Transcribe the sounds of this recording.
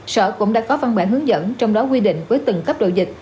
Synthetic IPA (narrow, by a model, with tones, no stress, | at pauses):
sə̰ː˧˨kʊ̰˧˥ŋ͡mɗa̰ː˧˥kɔ˨˦va˧nɓa̰ː˧˨˩ɦɨ˨˦ŋzə̰˧˥nt͡ɕɔ˧wŋ͡mɗɔ˨˦kwi˧ɗḭ̈˧˨ŋ̟vəː˨˦jt̪ɨ˨˩ŋkə˦˥p̚ɗo̰˧˨wzï˨˩k̟̚